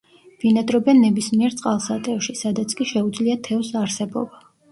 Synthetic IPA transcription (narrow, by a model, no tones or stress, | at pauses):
v̥inad̪ɾɔbɛnːɛbismiɛɾt̪sʼqʼalˠsat̪ʼɛʃisad̪at̪sʰkʼiʃɛud̪zliat̪ʰɛvsaɾsɛbɔ̰ba